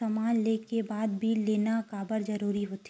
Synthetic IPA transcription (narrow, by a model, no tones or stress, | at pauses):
ɐmaːnleːkebaːd̪bʱiːlːeːnakaːbəɾzɐɾuːɾiɦoːt̪